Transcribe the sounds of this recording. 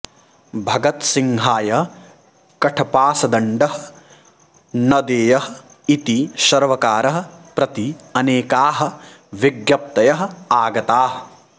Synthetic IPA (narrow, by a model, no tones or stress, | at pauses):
bʱɐɡɐt̪siŋɦaːjɐ | kɐʈʰɐpaːsɐd̪ɐɳɖɐɦɐ̥̆ | nɐd̪eːjɐɦɐ | it̪iʃɐɾʋɐkaːɾɐɦɐ̆pɾɐt̪iɐneːkaːɦɐ̆ʋiɡjɐp̚t̪ɐjɐɦɐ̆aːɡɐt̪aːɦɐ